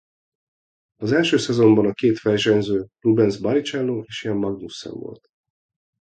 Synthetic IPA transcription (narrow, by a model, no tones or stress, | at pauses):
ɒzɛlʃøːsɛzo̞mbɒnɒkeːt̪fɛjʒɛnzøːrubɛnzbɒɾit͡ʃɛlːoeːʃijɛmːɒɡnusːɛ̰ɱvo̰lt̪